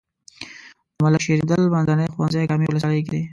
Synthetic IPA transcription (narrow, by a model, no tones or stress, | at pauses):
malaʃeɾid̪əlmanzanexwanzajkamiwləs̬waləjk̬ed̪e